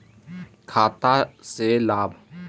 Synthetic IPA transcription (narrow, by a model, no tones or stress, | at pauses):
kʰaːt̪aselaːbʱ